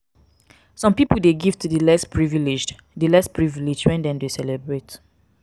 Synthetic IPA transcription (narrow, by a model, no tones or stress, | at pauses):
sɔ̃mpipəldeɡiv̥tudəlɛspʰɹivilid͡ʒd | dəlɛspɹivilid͡ʒwɛ̃ndɛ̃mdesɛlɛbɹet